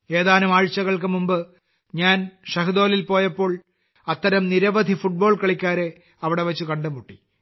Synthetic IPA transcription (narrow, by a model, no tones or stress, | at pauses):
e̞ːðaːnumaːɻt͡ɕːɐɣɐɭk̬ɨmumbɨ | ɲaːnʂɐɦɨðo̞ːlilpo̞ːjɐpːo̞ːɭ | ɐt̪ːɐɾɐmniɾɐʋɐd̪ʱifuʈ̚bo̞ːɭkɐɭikʲːaːɾe | ɐʋiɽe̞ʋɐt͡ɕːukɐɳɖɨmuʈːi